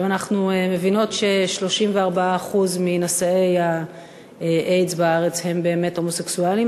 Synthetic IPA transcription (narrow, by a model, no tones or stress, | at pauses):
manaχnueme̞vino̞tʃe̞ʃlo̞ʃimveaʁbaaːχuzminosae̞ja | eʔejzbaaʁe̞t͡she̞mbe̞ːme̞tho̞moseksuali